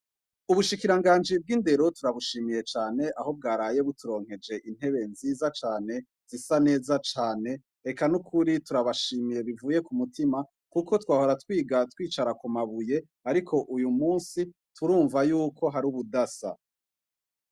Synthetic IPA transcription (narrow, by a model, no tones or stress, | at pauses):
uβuʃikiɾaŋɡaːnd͡ʒib̚ɡinde̞ɾo̞tuɾaβuʃiːmije̞t͡ʃaːne̞ʔaho̞b̚ɡaːɾaːje̞βutuɾo̞ːŋhe̞d͡ʒe̞ʔin̥he̞βe̞nziːzat͡ʃaːne̞ | z̥isane̞ːzat͡ʃaːne̞ | ekanukʰuɾituɾaβaʃiːmije̞βivuːje̞kumutima | kuko̞twaːho̞ɾatwiːɡatwiːt͡ʃaɾakumaβuje̞ | aɾikʰo̞ʔujumuːnsi | tʰuɾuːɱvajuːkʰo̞ɦaɾuβudasa̰